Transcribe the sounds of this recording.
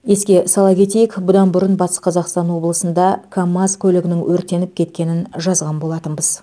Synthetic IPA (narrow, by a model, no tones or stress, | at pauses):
je̞skʲe̞sɑlˠɑkʲʰe̞t̪e̞jɪkbʊd̪ɑnbʊɾənbɑt̪ə̥sqʰɑzɑqst̪ɑnwo̞blˠəsənd̪ɑkʰamːazkʲʰɵlɪɡʲɪnɪŋwʔɵɾt̪e̞nɪp̚kʲʰe̞t̪̚kʲe̞nɪnʒɑzʁɑnbo̞lˠɑt̪ənbəz̥